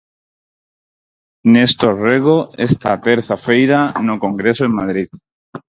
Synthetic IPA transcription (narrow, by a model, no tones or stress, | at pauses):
nest̪oreɣoest̪a̰t̪eɾθafejɾanokoŋɡɾesoeŋmað̞ɾið